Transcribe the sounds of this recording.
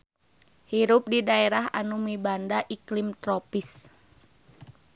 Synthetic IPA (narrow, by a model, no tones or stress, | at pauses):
hiɾʊp̚didaeɾaɦa̰numibandaʔiklimt̪ɾopis